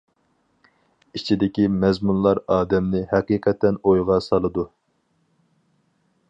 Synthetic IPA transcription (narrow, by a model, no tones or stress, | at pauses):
it͡ʃʰid̪ɪkʲimɛzmunlˠɑɾɑːd̪ɛmnɪɦɛqiːqʰɛt̪ʰɛnojʁɑsɑlˠɨd̪u